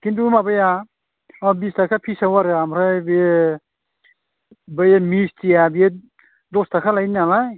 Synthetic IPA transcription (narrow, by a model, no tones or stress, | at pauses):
kintumabaja | ɔbistʰakʰapʰisawaɾɯamɾajbie | bɯjamistijabie | dɔstakʰalajnalaj